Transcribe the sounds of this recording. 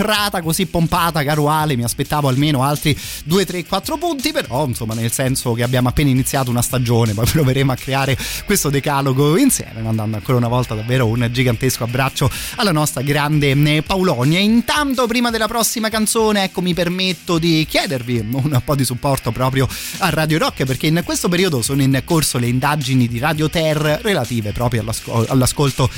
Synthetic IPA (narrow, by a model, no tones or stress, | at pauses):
raːt̪akozipːompaːt̪akaɾuaːlemiaspet̪ːaːvoalmeːnoalt̪ɾi | d̪uːet̪ɾekːwat̪ːɾopunt̪ipeɾɔinsomːanelsɛnsokeabjaːmoapːeːnainit̪sːjaːt̪ounast̪ad͡ʒoːnepɔjpɾoveɾeːmoakːɾeaːɾekwest̪od̪ekaloɡoinsjɛ̰ːmemand̪and̪oaŋkoːɾaunavɔlt̪ad̪avːeːɾound͡ʒiɡant̪eskoabɾat͡ʃːoalːanɔst̪ɾaɡɾand̪epaulɔnjaint̪ant̪op̬ɾiːmad̪elːapɾɔsːimakant̪soːneɛkːomipermet̪ːod̪ikjɛːd̪erviunpɔd̪isupːɔrt̪opɾɔːpɾjoarːaːd̪joɾɔkːp̬erkeinkwest̪op̬eɾiːod̪osoːnoinkorsoleind̪ad͡ʒinid̪iɾad̪jot̪ɛrːrelat̪iːvepɾɔːpɾjoalːasko̰a̰lːaskolt̪o